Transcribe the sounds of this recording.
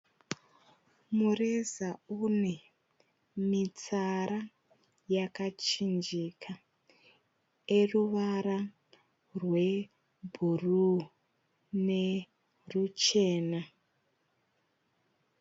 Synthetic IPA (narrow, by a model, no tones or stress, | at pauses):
murizaune̞ | mit͡saɾa | jakat͡ʃind͡ʒikʰa | eruʋaɾa | rwe̞ | bʱuru | ne̞ | rut͡ʃe̞ːna